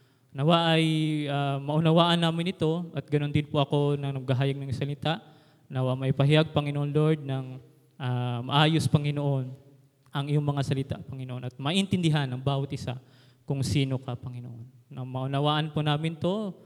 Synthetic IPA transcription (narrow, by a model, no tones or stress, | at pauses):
nɐwaʔɐjʔaːmɐʔʊnɐwaːʔɐnːaːmɪnɪt̪o̞ʔɐt̪̚ɡɐno̞nd̪ɪnpoʔɐko̞nɐŋnɐɡ̚ɡɐɦaːjɐɡ̚nɐŋsɐlɪt̪aʔ | nɐwaʔmɐʔɪpɐɦɪjaɡ̚pɐŋɪnoʔonlo̞ɹd̪̚nɐŋ | ʔamɐ̰ʔaːjospɐŋɪnoʔo̞n | ʔɐŋɪjoŋmɐŋasɐlɪt̪a̰ʔpɐŋɪnoʔo̞nʔɐt̪̚mɐʔɪnt̪ɪnd̪ɪɦanʔɐŋbaːwɐt̪ʔɪsa̰ | kʊŋsiːno̞kɐpɐŋɪnoʔonʔɐŋmɐʔʊnɐwaːʔɐnponaːmɪnt̪o̞